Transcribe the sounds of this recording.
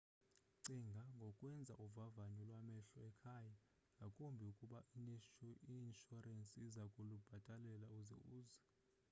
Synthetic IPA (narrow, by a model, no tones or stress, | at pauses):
ǀiŋɡʱaŋɡʱɔkʼwɛnd͡zʱa̰ʔuvavaɲulwamɛɬɔɛkʰaja | ŋɡʱakʼumbʱiukʼuɓaʔiniʃinʃɔrensʼiizakʼulub̥ʱatʼalɛlauzɛ̰uːzɛ